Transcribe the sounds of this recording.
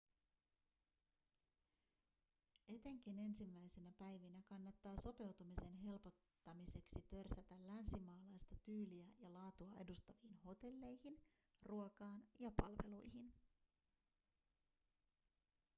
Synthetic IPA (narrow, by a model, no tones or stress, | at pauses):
e̞t̪e̞ŋk̟ine̞nsimːæjse̞næpæjʋinækɑnːɑt̪ːɑːso̞pe̞wt̪umise̞nɦe̞lpo̞t̪ːɑmise̞ksit̪ø̞rsæt̪ælːænsimɑːlɑjst̪ɑt̪yːliæjɑlɑːt̪uɑe̞dust̪ɑʋiːnho̞t̪e̞lːe̞jhin | ruokɑːnjɑpɑlʋe̞̰lujhin